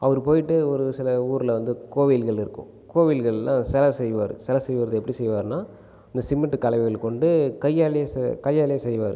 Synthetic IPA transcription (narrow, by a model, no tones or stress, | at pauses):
ɐʋɐɾɯpoːjɪʈːɯɔɾɯsɪlɐuːɾlɐʋɐnd̪ɯkoːʋilɣɐɭɪɾɯkːʊ̰̃ | koːʋɪlɣɐɭlãːsɛlɐsɛjʋaːɾɯ̰sɛlɐsɛjʋɐɾɐðɯɛpːɐɽisɛjʋaːɾɯnaː | ɪnd̪ɐsɪmːɪʈːɯkɐɭɐɪʋɣɐɭkɔɳɖɯkɐjːaːlɪjɐskɐjːaːlɪjɐsɛjʋaːɾɯ̰